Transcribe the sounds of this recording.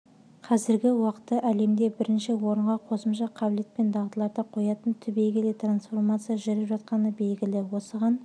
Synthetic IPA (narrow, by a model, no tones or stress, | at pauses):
qʰɑzɪɾɡʲɪwɑqət̪ːəʔæle̞md̪e̞bɪɾɪnʃɪwo̞ɾəɴʁɑqʰo̞səmʃɑqʰɑbɪle̞t̪̚pe̞nd̪ɑʁt̪əlˠɑɾd̪əqʰo̞jɑt̪ənt̪ʰʏbe̞jɡʲɪlet̪ransfo̞rmat̪sɨjaʒʏɾɪpʒɑt̪qɑnəbe̞lɡʲɪlɪwo̞səʁɑn